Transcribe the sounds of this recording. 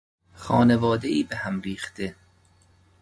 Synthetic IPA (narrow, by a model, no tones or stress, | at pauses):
xɒːne̞vɒːd̪eiːbehæmɾiːxt̪e̞